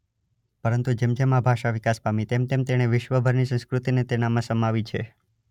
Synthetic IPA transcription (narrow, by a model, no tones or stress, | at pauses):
pəɾənt̪ud͡ʒemd͡ʒemãbʱaʃaʋɪkasbamit̪emt̪emt̪eɽ̃eʋɪʃʋəbʱəɾnisə̃ñskɾut̪inet̪enamãsəmaʋit͡ʃʰe